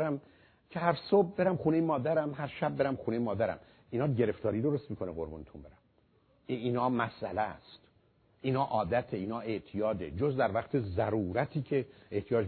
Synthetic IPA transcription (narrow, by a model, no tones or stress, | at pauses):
ɾæm | cʰehæɾsob̚be̞ɾæmχuːnejemɒːd̪æɾæmhæɾʃæb̚ːe̞ɾæmχuːne̞jemɒːd̪æɾæ̰m | iːnɒːɟe̞ɾe̞ft̪ɒːɾiːd̪oɾost̪miːkʰo̞neɣo̞̰ɾbṵːnet̪ʰumbe̞ɾæm | iːnɒːmæsʔælæst̪ | ʔiːnɒːʔɒːd̪æt̪ʰeiːnɒːe̞ʔt̪ʰijɒːd̪ḛd͡ʒozd̪æɾvæqt̪ʰezæɾuːɾæt̪ʰiːcʰeeht̪ʰijɒːd͡ʒ